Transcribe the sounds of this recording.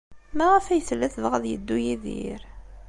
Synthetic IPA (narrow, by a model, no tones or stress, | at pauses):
mæʁəfæjθəlːæθvʁæðjə̰d̪ːujiðḭɾ